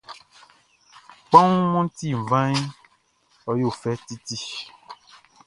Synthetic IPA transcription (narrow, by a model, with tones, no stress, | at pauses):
k͡pã˦ŋũ˦mɔ̃˦n˦t̪i˦˨vã˦ɲ˦ | ɔ˦jo˦˨fɛ˦t̪i˦t̪i˦